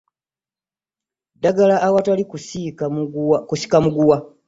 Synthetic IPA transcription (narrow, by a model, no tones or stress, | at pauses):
daɡalaʔːwatalikusikkusi̥kamuɡuwa